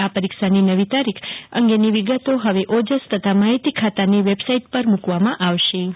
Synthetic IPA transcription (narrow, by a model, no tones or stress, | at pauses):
apəɾikʃaninəʋit̪aɾikʰə̰ŋɡeniʋiɡət̪oɦəʋeʔod͡ʒəst̪ət̪ʰamaɦit̪ikʰat̪aniʋebsaiʈ̚pəɾmukʋamãʔaʋʃe